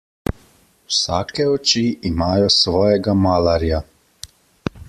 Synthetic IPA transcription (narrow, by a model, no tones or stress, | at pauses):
wsaːkɛɔt͡ʃiimaːjɔsʋɔːjɛɡamaːlaɾja